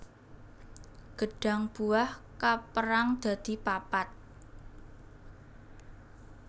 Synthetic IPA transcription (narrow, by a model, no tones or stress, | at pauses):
ɡ̥ə̤ɖ̥a̤ŋb̥uahkapəɾaŋd̪̥ä̤d̪̥i̤papat̪̚